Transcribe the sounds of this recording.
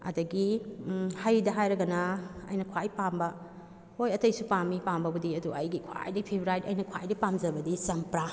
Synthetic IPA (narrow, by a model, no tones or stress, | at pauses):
ɐ̰dɐɡi | hajdɐɦajɾɐɡɐnɐɐ̰jnɐkʰwajpambɐ | hojɐtɐjsupamipambɐbudiɐduɐjɡikʰwa̰jdipʰebɾajtɐ̰jnɐkʰajdipamzɐbɐdisɐmpɾa